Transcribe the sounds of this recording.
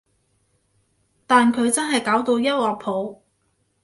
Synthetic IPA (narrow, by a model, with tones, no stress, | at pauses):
t̪aː˨nkʰɵ˨˧ɥt͡sɐ˥nɦɐ˨jkaː˨˥wt̪o˧wjɐ˥t̚wɔː˨k̚pʰo˨˥w